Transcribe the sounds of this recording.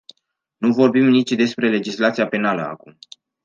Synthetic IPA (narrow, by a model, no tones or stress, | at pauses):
nuvo̞rbimnit͡ʃʲd̪e̞spɾe̞le̞d͡ʒislat̪sijape̞naləa̰kum